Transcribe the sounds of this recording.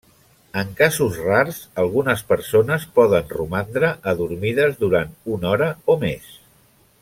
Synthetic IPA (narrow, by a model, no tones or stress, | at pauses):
əŋkazuzraɾzəlˠɣunəspəɾsonəspɔðənrumand̪ɾəʔːðuɾmiðəzðuɾant̪unɔɾəomes